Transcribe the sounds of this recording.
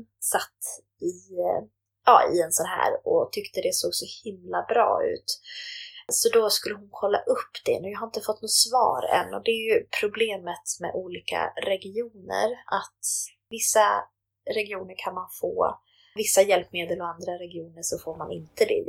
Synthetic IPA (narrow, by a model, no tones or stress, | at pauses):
sat̪ː | ɪ | ɑ̰ːɪɛnsɔnɦæ̰ːɾɔt̪ʰʏkt̪əd̪ɛsoːɡsɔhɪmlabɾɑ̰ːʉ̟̰ːt̪ | sɔd̪ɔskɵlːəɦʊnkʰɔlːa̰ʔɵpːd̪̥ɛ̰njɑːɦaɾɪnt̪əfɔt̪ːnʊt̪svɑ̰ːɾɛ̰nːɔd̪ɛæɾjɵpʰɾʊbleːmət̪mɛ̰ʔuːliːkʰa̰ɾɛɡɪuːnə̰ɾat̪ | vɪsːa | ɾɛɡɪuːnəɾkʰanmanfo̰ː | vɪsːajɛlpmeːd̪əlɔand̪ɾaɾɛɡɪuːnəʂɔfoːɾmanɪ̰nt̪əd̪ɛ̰